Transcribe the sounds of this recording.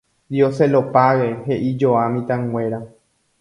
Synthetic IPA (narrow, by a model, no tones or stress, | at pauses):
d̪ioselo̞paweɦe̞ʔid͡ʒoamĩt̪ãŋwʷe̞ɾa